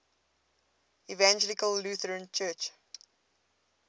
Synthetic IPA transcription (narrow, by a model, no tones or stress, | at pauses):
ivãnd͡ʒɛlikəlːuθəɹ̃nt͡ʃɜːˑt͡ʃ